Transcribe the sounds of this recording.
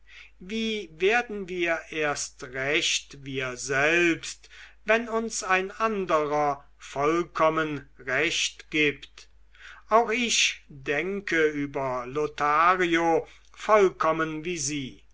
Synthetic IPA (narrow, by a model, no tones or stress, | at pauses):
viːveːɐdn̩viːɐʔeːɐstʁɛɕtviːɐzɛlpstvɛnʊnsaɪnʔandəʁɐ | fɔlkʰɔmənʁɛɕtɡ̥iːpt | ʔaʊxɪʃdɛŋkʰəyːbɐlotʰaːʁio | fɔlkʰɔmənviːziː